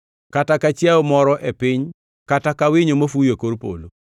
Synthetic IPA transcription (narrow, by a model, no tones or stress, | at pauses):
katakat͡ʃjaomɔɾɔʔepɪɲ | katakawɪɲomofujekoɾpo̰lo